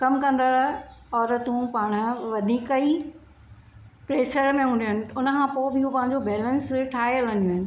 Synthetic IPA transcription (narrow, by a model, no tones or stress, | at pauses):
kɐmkɐ̃nd̪aɾaɔːɾt̪ũpaːɽ̃ʊʋɐd̪ʱiːkəi | pɾeːʃəɾmẽɦũːn̆d̪ijʊnɪ̆ʊnəkʰãːpoːbɪiupɐ̃ɦɪ̃ɲ̆d͡ʑobɛːlə̃nsʈʰaːɦijəlɐ̃njuɦɪnɪ̆